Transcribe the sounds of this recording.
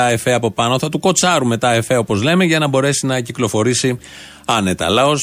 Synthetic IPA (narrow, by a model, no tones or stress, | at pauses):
ɐefeɐpo̞pɐno̞θɐt̪uko̞t͡sɐɾume̞t̪ɐefeo̞po̞zle̞meʝɐnɐbo̞ɾe̞sinɐciklo̞fo̞ɾisi | ɐne̞t̪ɐːlɐo̞s